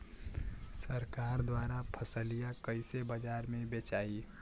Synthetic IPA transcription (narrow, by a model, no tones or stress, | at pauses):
səɾkaːɾd̪waːɾapʰəsəlijakəɪsebəd͡ʒaːɾmẽbet͡ʃaːi